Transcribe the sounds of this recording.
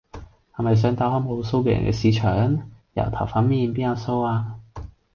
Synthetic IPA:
hɐ˨˩mɐ˨js̬œː˨˧ŋt̪aː˧whɔ˥mho˨˧wso˥wkɛː˧jɐ̰˨˩nkɛ̰ː˧siː˨˧t͡ʃʰœː˨˥ŋjɐ̰˨˩wt̪ʰɐ̰˨˩wfɐ˨˥nmiː˧˨npiː˥njaː˧wso˥waː˧

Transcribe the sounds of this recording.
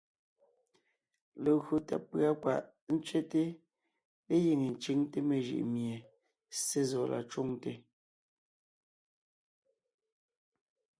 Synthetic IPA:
le˨ɣɰo˨tɛ̰˨pːɰa˦kwa̰˨ʔ | n̩˦t͡ʃɥe˦te˦ | le˦ji˨ŋe˨n̩˨t͡ʃi˨˦ŋte˦me˨ʒḭ˨ʔmje˨ | se˦zɔ˨la̰˨t͡ʃu˦ŋte˨

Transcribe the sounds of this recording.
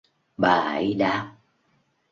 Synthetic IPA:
ɓaː˨˩ə˨˦jɗaː˦p̚

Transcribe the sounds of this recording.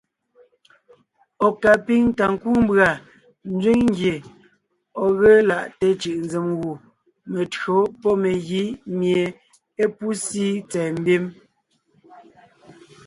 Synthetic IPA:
ɔ˨ka˨pi˦ŋ˦ta˨ŋ̩˨ku˦m̩˦bɰa˨ | n̩˦d͡zɥi˦ŋŋ̩˦ɡje˨ | ɔ˨ɣə˦la˦˨ʔte˦t͡ʃɯ˨ʔn˦d͡ze˨mɣu˨ | me˨tɰo˨˦pɔ˦me˨ɣi˦mje˨ | e˦pu˦siː˦t͡sɛː˨m̩˦bi˦m

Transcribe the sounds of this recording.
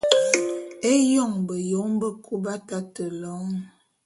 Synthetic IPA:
e˦jɔ˦˨ŋbə˨jo˨˦ŋbə˦kʰu˦ba˦ta˦tə˨lɔ˨˦ŋ

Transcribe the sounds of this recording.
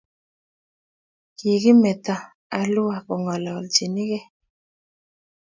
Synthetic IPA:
ki˨ɣi˦mɛ˨ta˦ | a˨lu˦a˨kɔ˨ŋɔ˨lɔ˨ld͡ʒi˨ni˦ɣɛ˦

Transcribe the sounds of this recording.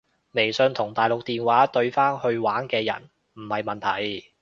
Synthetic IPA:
me˨˩jsɵ˨˧ŋt̪ʰʊ˨˩ŋt̪aː˨jlʊ˨k̚t̪iː˨nwaː˨˦˥t̪ɵ˧ɥfaː˥nhɵ˧ɥwaː˨˥nkɛː˧jɐ̰˨˩n | m̩˨˩hɐ˨jmɐ˨nt̪ʰɐ̰˨˩j

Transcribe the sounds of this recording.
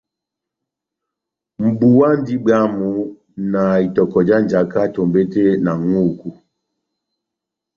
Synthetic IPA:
m̩˨bu˨wa˦n˦di˦ɡ͡ba˦mu˨ | na˨i˨tɔ˨kɔ˨d͡ʒa˦n˨d͡ʒa˨ka˦to˨mbe˦te˦na˨ŋu˦˨ku˦

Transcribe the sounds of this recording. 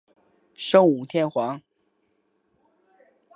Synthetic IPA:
ʂɤ˥˩ŋu˨˩t̪ʰjɛ˥˩nxwɑ˧˥ŋ

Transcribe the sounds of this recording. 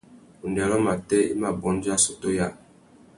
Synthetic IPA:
u˨ndɛ˨lɔ˦ma˨tɛ˦ḭ˦ma˨bɔ˨˦n˦d͡ʒi˦a˦so˦to˦ja˦˨

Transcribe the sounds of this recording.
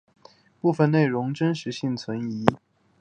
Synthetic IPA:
pu˥˧fə˥˧ne˥˩ɪɻʊ˧˥ŋʈ͡ʂə˥nʂɻ̩˧˥ɕi˥˩ŋt͡sʰwə˧˥ni˧˥

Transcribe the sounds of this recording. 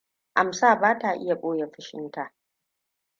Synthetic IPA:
ʔa˨msaː˦˨baː˦ta˨ʔɪ̰˦ja˨ɓʼoː˦je˨ɸɪ˦ʃɪ˦nta˨ʔ

